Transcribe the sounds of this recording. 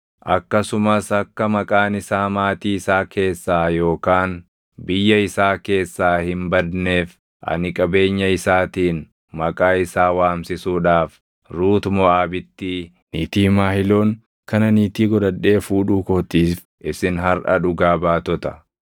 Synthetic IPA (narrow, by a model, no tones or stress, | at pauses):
ʔɐkːɐsʊmɐsɐkːɐmɐkʼaːnɪsaːmaːt̪iːɪsaːkʰe̞ːsːaːjo̞ːkaːn | bɪjːɐɪsaːke̞ːsːaːhɪmbɐd̪ne̞ːf | ʔɐ̰nɪkʼɐbe̞ːɲːɐɪsaːt̪iːn | mɐkʼaːɪsaːwaːmsɪsuːᶑaːf | ɾuːt̪mɔaːbɪt̪ːi | niːt̪iːmaːhɪlo̞ːŋ | kɐnɐniːt̪iːɡɔd̪ɐᶑːe̞ːfuːᶑuːkɔt̪iːf | ʔɪsɪnɦɐɾʔɐ̰ᶑʊɡaːbaːt̪ɔt̪ɐ̥